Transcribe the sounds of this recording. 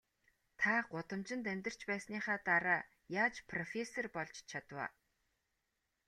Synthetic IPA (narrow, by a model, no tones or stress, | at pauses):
t̪ʰaːɢʊt̪ə̆mt͡ɕɪ̆nt̪̬æmʲt̪ə̆r̥t͡ɕpæːsniːχaːt̪aɾaː | jaːt͡ɕpʰrɔfʲesɔrpɔɮt͡ɕt͡ɕʰat̪wa̰ː